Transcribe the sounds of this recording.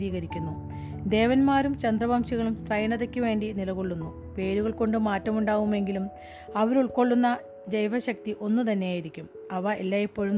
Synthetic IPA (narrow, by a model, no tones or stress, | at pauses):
ɾiːɣɐɾikʲːunːu | d̪e̞ːʋɐnmaːɾumt͡ɕɐnd̪rɐbaːmɕɐɣɐɭumst̪rɐjɐɳɐðekʲːɨʋe̞ːɳɖinilɐɣo̞ɭːunːu | pe̞ːɾuɣɐɭko̞ɳɖɨmaːtːɐmuɳɖaːɣume̞ŋɡilum | ɐʋɐɾuɭko̞ɭːunːɐ | d͡ʑejʋɐɕɐk̚t̪iʔo̞nːut̪ɐnːe̞jaːjiɾikʲːum | ɐʋɐʔelːaːjipːo̞ːɻum